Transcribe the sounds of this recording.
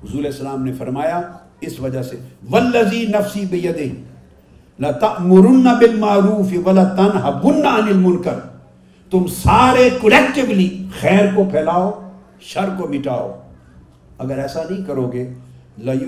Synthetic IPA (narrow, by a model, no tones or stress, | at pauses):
ɦʊzuːɾɛːsɐlaːmnefɐɾmaːja | ɪsʋɐd͡ʒaɦseʋɐlːɐziːnɐfsiːbɪjɐd̪ɪ | lɐt̪ɐʔmʊɾʊnːabɪlmaːɾuːfɪwɐlat̪ɐnɦɐbːʊnːaɐnɪlmʊnkɐɾ | t̪ʊmsaːɾekɐlekʈɪblixɛːɾkopʰɛːlaːoː | ʃɐɾkomɪʈaːo̰ː | ɐɡəɾɛːsanɐɦĩkɐɾoːɡeː | lɐ